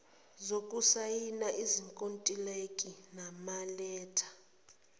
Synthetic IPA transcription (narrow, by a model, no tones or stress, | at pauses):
zokʼusajinaʔiziŋkʼontʼilekʼinamalɛːtʰḁ